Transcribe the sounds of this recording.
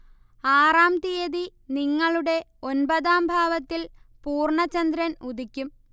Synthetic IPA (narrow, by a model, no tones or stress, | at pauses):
aːraːmt̪ijɐðiniŋːɐɭuɽe̞o̞nbɐðaːmbʱaːʋɐt̪ːilpuːrɳɐt͡ɕːɐnd̪ɾɐnud̪ikʲːum